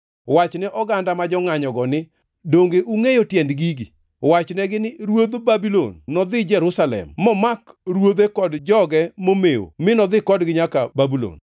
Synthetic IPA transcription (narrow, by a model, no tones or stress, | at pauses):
wat͡ʃnɛʔɔɡandamad͡ʒɔŋaɲɔɡɔnɪ | doŋɡeʔuŋejotjɛndɡiɡi | wat͡ʃnɛɡɪnɪɾwod̪babilo̰nːɔd̪ɪd͡ʒɛɾusalɛ̰mːɔmakɾwod̪ekɔdd͡ʒɔɡɛmomeo̰mɪnɔd̪ɪkɔdɡɪɲakababulo̰n